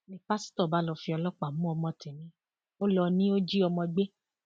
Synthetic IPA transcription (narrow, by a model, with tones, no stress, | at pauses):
nĩ˨˦pa˦si̥˦tɔ˦˨ba˨˦lɔ˧fi˧ɔ˧lɔ˦k͡pa˨mũ˨˦ɔ˧mɔ̃˧ti˨nĩ˨˦ | o˦lɔ˧nĩ˦o˦d͡ʒi˦ɔ˧mɔ̃˧ɡ͡be˦